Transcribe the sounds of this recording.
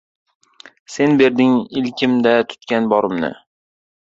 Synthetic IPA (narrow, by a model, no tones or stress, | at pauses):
se̞nbe̞ɾd̪ɪŋɪlkʲʰɪmd̪at̪ʰʊ̥t̪kʲanbɒɾɪmnɪ̰